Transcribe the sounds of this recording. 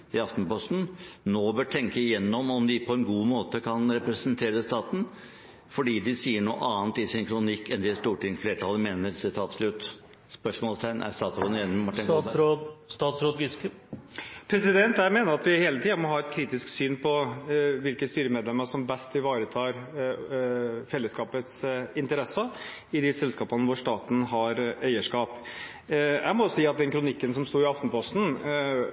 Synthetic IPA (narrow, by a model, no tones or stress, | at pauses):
ɪɑft̪npɔst̪n̩noːbøːʈʰɛŋkəɪjɛnːɔmɔmd̪ɪpʰɔɛnɡuːmoːt̪əkʰɑnɾɛpɾɛsənt̪ʰeːɾəst̪ɑːt̪n̩ | fɔɖiːd̪ɪsiːəɳṵːʔɑːnt̪ɪsɪnkʰɾʊnɪkːɛnd̪ɪst̪uːʈɪŋfleːʈʰɑlːəmeːnəɾsɪt̪ʰɑːt̪ʂlʉt̪ | spœʂmɔːlst̪ʰæɪnʔæ̰ɾst̪ɑːt̪sɾoːd̪ənjɛnːmmɑʈːɪ | st̪ɑːt̪sɾoːd̪ɡs | pʰɾɛsɪd̪ɛnt̪æɪmeːnəɾɑt̪ʋɪheːlət̪ʰiːɑmɔɦɑːɛt̪kʰɾiːt̪ɪsksyːnpʰɔʋɪlkəst̪yːɾəmeːd̪lɛmːəʂɔmbɛst̪ɪʋɑːɾət̪ʰɑːɾ | fɛlːəskɑːpət̪sɪnt̪əɾɛsə | ɪd̪ɪsɛlskɑːpɑnəʋʊɾʂt̪ɑːt̪n̩ɦɑɾæɪəʂkɑːp | jʔæ̰ɪmɔjsiːɑt̪̚d̪ɛnkʰɾʊnɪkːənsɔmst̪uːɾɪɑft̪n̩pʰɔst̪n̩